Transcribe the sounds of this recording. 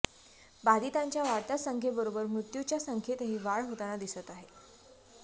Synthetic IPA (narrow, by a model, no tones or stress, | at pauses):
bad̪it̪aɲt͡ɕjaʋaɽt̪asəŋkʰebəɾobəɾmɾut̪jut͡ɕjasəŋkʰet̪əɦiːʋaɭɦot̪anad̪isət̪aɦe